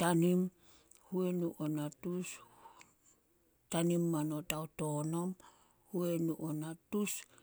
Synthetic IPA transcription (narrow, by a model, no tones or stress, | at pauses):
tanim | huenuʔonatus | tanimːano̞taoto̞no̞m | huenuʔonatus